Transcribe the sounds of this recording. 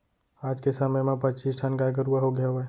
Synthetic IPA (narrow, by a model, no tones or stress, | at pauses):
ad͡ʒkesəməjmẽpət͡ʃisʈʰankajɡəɾuaɦoɡɛe